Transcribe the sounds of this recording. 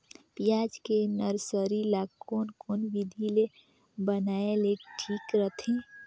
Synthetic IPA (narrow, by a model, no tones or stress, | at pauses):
pijad͡ʒkenəɾsəɾilaɡkonkonbid̪ʱile | bənaeleʈʰikɾət̪ʰẽ